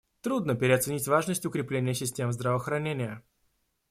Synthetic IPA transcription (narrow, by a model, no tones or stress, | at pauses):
t̪ɾud̪nəpʲɪɾʲɪɐt̪sɨnʲitʲvaʐnəsʲtʲʊkɾʲɪplʲenʲɪjəsʲɪsʲtʲemzd̪ɾəvəxɾɐnʲenʲɪjə